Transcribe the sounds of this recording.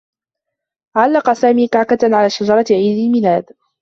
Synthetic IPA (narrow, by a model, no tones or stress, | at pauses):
ʕalːɑqɑsaːmiːkaʕkat̪ʕalaːʃad͡ʒɑɾˤɑʕiːd̪ɪlmɪlaːd̪